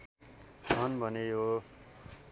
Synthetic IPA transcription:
ʌnbʱʌnejo

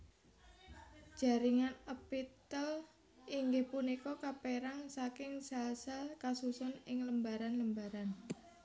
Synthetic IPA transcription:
d͡ʒ̥a̤ɾiŋanəpit̪əl | iŋɡɪhpunikɔkapeɾaŋsakɪŋsalsalkasusɔnɪŋləmbaɾanləmbaɾan

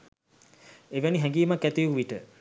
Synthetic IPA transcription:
eʋæniɦɛŋɡiːmakːæt̪ijuʋiʈə

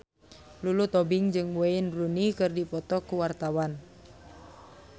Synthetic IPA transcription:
lulut̪ɔbɪŋd͡ʒɨŋweinrunikɨrdipɔt̪ɔkuwart̪awan

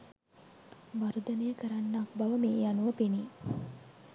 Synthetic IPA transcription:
ʋaɾud̪ənejəkəɾanːakbaʋəmeːjanuʋəpeni

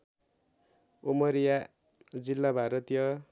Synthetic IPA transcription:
omʌɾija | d͡zilːabʱaɾʌt̪jʌ

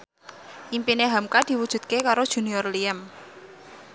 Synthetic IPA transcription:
ʔimpineɦamkad̪̥i̤wud̥ʒ̥ṳt̪̚kekaɾod̥ʒ̥ṳniɔrliəm

